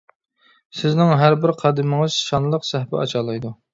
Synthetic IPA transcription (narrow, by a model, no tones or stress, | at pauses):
sɪznɪŋɦæɾbɪɾqʰɑd̪ɪmɪŋɨz̥ʃɑnlˠəqsæhpɪ̰ɑt͡ʃʰɑːlˠɑjd̪u